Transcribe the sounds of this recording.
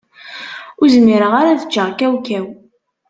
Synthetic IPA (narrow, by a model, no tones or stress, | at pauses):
ʊɾzmiɾəʁaɾaðə̥t͡ʃːəʁkæwkæw